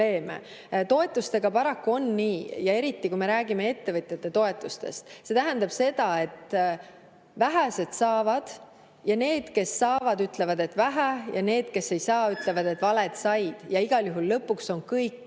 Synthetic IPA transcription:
e̞ːmḛ | t̪o̞e̞t̪ˑːust̪e̞ɡ̥ɑpɑɾɑkːuo̞nniːjɑe̞ɾit̪ˑːikujme̞ɾæːɡ̥ime̞e̞t̪ːe̞vɤt̪ʲˑjet̪ːe̞t̪o̞et̪ːˑust̪e̞̰st̪se̞t̪æɦænd̪ɑb̥se̞d̪ɑe̞t̪ː | væɦæse̞d̪̥sɑːvɑd̪̥ | jɑne̞ːd̪̥ke̞sːɑːvɑd̪yt̪ˑle̞vɑd̪̥e̞t̪ːvæɦæjɑne̞ːd̪̥ke̞sːe̞jsɑːyt̪ˑle̞vɑd̪̥e̞t̪ːˑvɑle̞d̪̥sɑjd̪̥jɑiɡ̥ɑljuɦulːɤpːˑukso̞nkɤjkːˑ

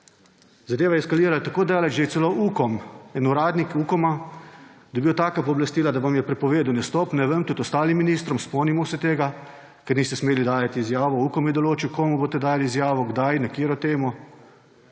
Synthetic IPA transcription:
zad̪eːʋajɛskaliːɾalat̪akoːd̪ajaːlad͡ʒʒesɛloʔuːkɔmɛnuɾaːd̪nikukɔma | d̪ɐbiwt̪aːkapɔːblast̪iːlad̪aʋamjɛpɾɛpɔʋeːd̪uwnɛst̪ɔːpnɛʋəmt̪ut̪ɔst̪aːlimːiniːst̪ɾɔmspɔːnimɔwsət̪eːɡa | kɛɾnist̪ɛsmeːlid̪aːjat̪iːzjaːʋɔuːkɔmjɛd̪ɔloːt͡ʃiwkoːmuboːt̪ɛd̪aːjaliːzjaːʋɔɡd̪ajnakiːɾɔt̪eːmɔ

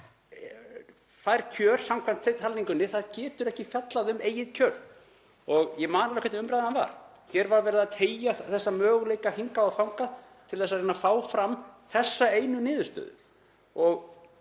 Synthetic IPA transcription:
θajɾ̥cʰœːɾ̥sawmkʰvant̪θejt̪halniŋkʏnɪθaðcɛːt̪ʏɾɛhcɪfjɛt̪laðʏmeːjɪðcʰœːɾ | ɔɣjɛmaːnaɾlɛkvɛt̪ʏmpɾajðananva̰ɾ̥ | çjɛɾvaɾvɛːɾɪðat̪ʰeːjaθɛsːamœːɣʏleːjkahiŋkaɔθawŋkað | t̪ʰɪlθɛs̬aðɾejnafaːwfɾamθɛsːaeːjnʏnɪːðʏst̪œ̰ːðʏ̰ | ɔɣ

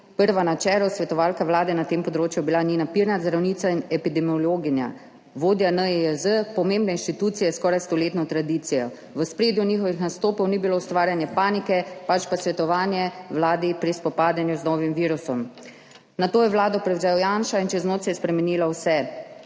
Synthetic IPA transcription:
pəɾʋanat͡ʃɛːlɔwsʋɛt̪ɔʋaːlkaʋlaːd̪ɛnat̪eːmpɔd̪ɾoːt͡ʃjubilaninapiɾnazd̪ɾawniːt̪sainɛpid̪ɛmiɔloːɡinja̰ | ʋoːd̪janəeəzəpɔmeːmbnɛinʃt̪it̪uːt̪sijɛskɔːɾajst̪ɔleːt̪nɔt̪ɾad̪iːt̪sijɔ | ʋəspɾeːd̪juniːxɔʋixnast̪oːpɔwnibiloːwst̪ʋaːɾjanjɛpaːnikɛpat͡ʃpasʋɛt̪ɔʋaːnjɛʋlaːd̪ipɾispɔpaːd̪janjuznɔːʋimʋiːɾusɔm | nat̪oːjɛʋlaːd̪ɔpɾɛwzɛɔwjanʃaint͡ʃɛznoːt͡ʃ̪ajɛspɾɛmɛniːlawsɛ

